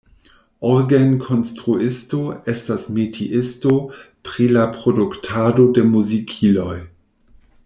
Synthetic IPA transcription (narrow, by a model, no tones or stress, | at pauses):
oɾɡenkʰonstɾuɪstoestasmetʰiʔɪsto | pɾilapɾoduktʰado̞demuzikʰilo̞j